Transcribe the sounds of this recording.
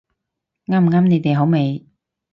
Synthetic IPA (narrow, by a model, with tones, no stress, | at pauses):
ŋaː˥˩m˨ŋaː˥mne˨˧jt̪e˨jɦo˨˥wme˨˧j